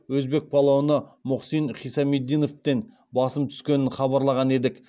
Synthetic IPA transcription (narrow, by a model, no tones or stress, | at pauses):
wɵzbe̞k̚pʰɑlˠowənəmʊqsinχijsɑmed̪ːijno̞ft̪en | bɑsəmt̪ʰʏ̥skʲe̞nɪnχɑbɑɾlˠɑʁɑne̞d̪ɪk